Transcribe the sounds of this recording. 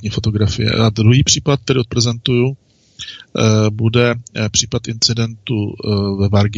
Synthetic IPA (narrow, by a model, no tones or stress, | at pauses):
ɲiːfot̪o̞ɡɾafɪjɛ̰ʔad̪ɾuɦiːpr̝̥iːpat̪̚t̪ɛɾɪot̪̚pɾɛzɛnt̪uju | budɛpr̥iːpat̪ʔɪnt͡sɪdɛnt̪uvɛvaɾɡɪ